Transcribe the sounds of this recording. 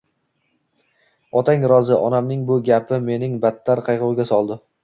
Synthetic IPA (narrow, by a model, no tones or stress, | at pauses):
ɒt̪ʰaŋɾɒzɪʔɒnamnɪŋbʊɡʲapʰɪme̞nɪŋbat̪ʰːaɾqʰɑjʁʊwɡʲasɒlˠd̪ɪ